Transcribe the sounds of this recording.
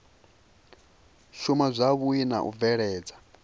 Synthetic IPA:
ʃumazʷaβuina̰ʔṵvɛɺɛːd͡zḁ

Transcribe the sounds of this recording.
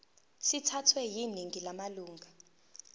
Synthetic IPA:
sitʰatʰwɛjiniŋilamaluːŋʱa

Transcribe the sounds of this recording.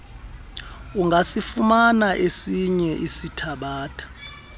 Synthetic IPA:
uŋɡʱasifumanaʔesiɲɛʔisitʰaɓaːtʰʼḁ

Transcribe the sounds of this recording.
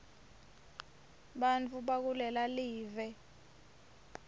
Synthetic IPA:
ɓant͡fʰuɓak̬ulɛlaliːvɛ

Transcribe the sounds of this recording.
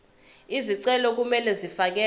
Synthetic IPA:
iziǀɛlɔk̬umɛlɛzifak̬ɛ

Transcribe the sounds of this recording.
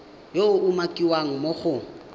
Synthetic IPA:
joʊʔʊmakʼiwaŋ̩moχʊ

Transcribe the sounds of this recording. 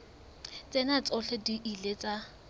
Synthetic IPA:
t͡sʼenat͡sʼɔɬɛdiʔilet͡sʼa

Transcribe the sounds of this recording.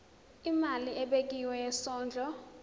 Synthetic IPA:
imaliʔɛɓek̬iwɛjɛsɔːnd͡ɮʱɔ

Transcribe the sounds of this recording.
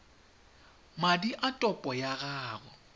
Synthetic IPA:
madiʔatʼɔpʼɔjaɣaːɣɔ

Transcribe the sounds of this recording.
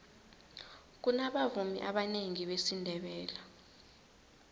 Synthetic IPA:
k̬unaɓavumḭʔaɓaneŋiɓesindʱɛɓɛːla

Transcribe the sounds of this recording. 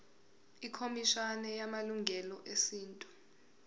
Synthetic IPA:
ikʰomiʃanɛjamaluŋʱɛlɔʔesiːntʼu̥

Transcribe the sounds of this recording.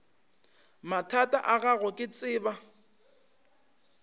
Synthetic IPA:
matʰatʼaʔaɣaɣʊkʼɪt͡sʼɪːba

